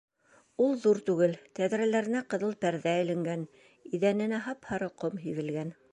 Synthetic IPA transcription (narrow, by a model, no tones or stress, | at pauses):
ulˠðuɾt̪ʉɡɘlt̪æðɾælæɾɘ̆næqɤ̆ðɤlˠpæɾðæɘ̆lɘ̆ŋɡæn | iðænɘ̆næɦɑphɑɾɤqomɦivɘ̆lɡæn